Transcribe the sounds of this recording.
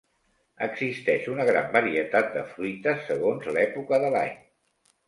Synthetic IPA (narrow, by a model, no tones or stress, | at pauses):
ə̰ɡzist̪ɛʃunəɣ̞ɾa̰mbəɾiət̪at̪̚d̪əfɾuit̪əsəɣ̞onzlɛpukəðəla̰j